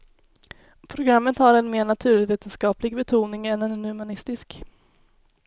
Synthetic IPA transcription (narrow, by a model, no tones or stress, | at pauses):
pʰɾʊɡɾamːət̪haɾɛnmeːɳat̪ʰʉ̟ːɭɪveːt̪ənskɑːplɪɡbɛt̪ʰuːnɪŋɛnɛnːɵmanɪst̪ɪsk